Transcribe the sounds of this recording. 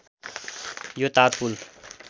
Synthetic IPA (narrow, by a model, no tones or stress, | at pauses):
jot̪aːɾ̚pul